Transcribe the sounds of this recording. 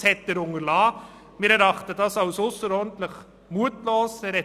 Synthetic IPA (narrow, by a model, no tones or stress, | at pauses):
hɛt̪ːəɾʊŋəɾlaː | mɪːɾɛɾɑχtədɑsɑʊsʊsəɾɔːdn̩t̪ləχ | muətloːsɛɾɛ